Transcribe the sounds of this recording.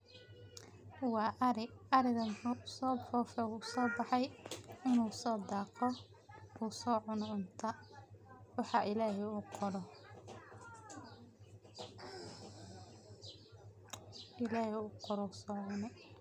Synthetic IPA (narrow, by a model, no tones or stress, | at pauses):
wɑːʔɾɪɐɾɪɣɐmʊsɔːfɔːfɛuːsɔːbɑħɑjɪnuːsɔːd̪ɑːqʰɔ | uːsɔːʕʊnʕʊnt̪ʰɐ | wɑħɑʔɪlaːɦɛuːqʰɔɾɔ | ɪlaːhɛuːqɔɾɔsɔːʕʊnɛ